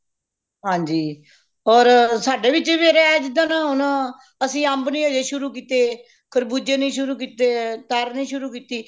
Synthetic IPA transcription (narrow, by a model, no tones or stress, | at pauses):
ɦãːɲd͡ʒiː | ɔːɾsaːɖeːʋɪt͡ʃʋeːɾeːɛːd͡ʒɪd̪ãːnãːɦʊnãː | əsĩːəmbnĩːoːd͡ʒeːʃʊɾuːkiːt̪eː | kʰəɾbuːd͡ʒẽːnĩːʃʊɾuːkiːt̪eːt̪əɾnĩːʃʊɾuːkiːt̪iː